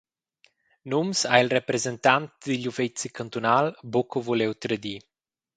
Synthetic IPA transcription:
numsailrɛpɾɛzɛnt̪ant̪̚d̪iʎufɛt͡sikant̪unalbɔkovulewt̪ɾəd̪i

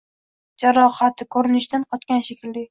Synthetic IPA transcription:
d͡ʒaɾɒhat̪ʰɪkʰɵɾɪnɪʃd̪anqʰɒt̪kʲanʃekʲɪld̪ɪ

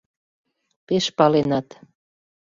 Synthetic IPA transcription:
peʃpɑlenɑt̪

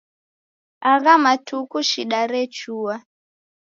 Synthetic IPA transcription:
aɣamatʰukuʃiɗaɾɛt͡ʃuwa

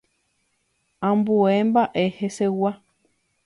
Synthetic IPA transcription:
ãmbuembaʔehesewa

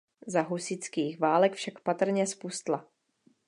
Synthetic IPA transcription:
zaɦusɪt͡skiːxvaːlɛkfʃakpat̪r̩ɲɛspust̪la

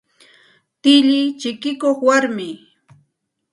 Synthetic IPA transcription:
t̪ɪʎɪt͡ʃɪkɪkoχwaɾmɪ

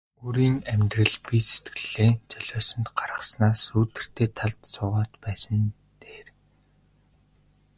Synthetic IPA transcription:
uɾiːnæmʲt̪rə̆ɮpiset̪ɡɘ̆ɮ̥eːt͡sœɮʲɔːsə̆nt̪ɢarʁə̆snaːsuːt̪ɘ̆r̥t̪ʰeːt̪ʰaɮt̪sʰʊːʁaːt̪pæːsə̆n | t̪eːr

